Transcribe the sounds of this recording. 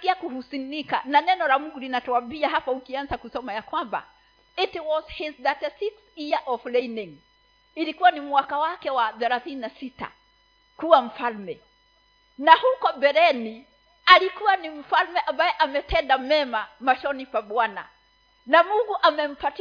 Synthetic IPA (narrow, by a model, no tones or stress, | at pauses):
kiakuhusinika̰nanɛnɔlamuŋɡulinatɔambiaɦapaukianzakusɔmajakwamba̰ | itiwɔshɛsðatɛsiksijaʔɔflɛiniŋ | ilikuwanimwakawakɛwaθɛɾaθininasita̰ | kuwam̩falmɛ | nahukɔbɛɾɛni | alikuwanim̩falmɛʔambajɛʔamɛtɛndamɛmamaʃɔnipaɓwana̰ | namuŋɡuʔamɛm̩pat